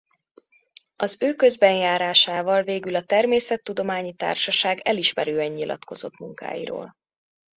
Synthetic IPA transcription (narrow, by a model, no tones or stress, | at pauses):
ɒzøːkø̞zbɛnjaːɾaːʃaːvɒlveːɡylɒt̪ɛrmeːsɛt̪ːud̪o̞maːɲit̪a̰ːrʃɒʃaːɡɛliʃmɛɾøːɛɲːilʔɒ̰t̪ko̞zo̞̰t̪muŋka̰ːjḭɾo̰ːl